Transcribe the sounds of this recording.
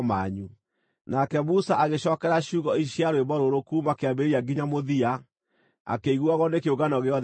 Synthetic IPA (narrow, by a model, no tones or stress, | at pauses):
maɲu | nakɛmusaʔaɣeɕɔkɛɾaɕuːɣɔiɕiaɾweβɔɾoɾokumakeabeeɾiaɡiɲamoðia | a̰keiɣuaɣɔnekeoɣɡanɔɣeɔð